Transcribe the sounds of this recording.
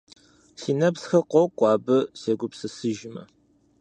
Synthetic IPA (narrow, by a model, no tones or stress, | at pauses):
siːnɐpsxɐqʷɔwkʷʼɑːbɨseːɡʷʊpsɨsɨʒɪmɐ̰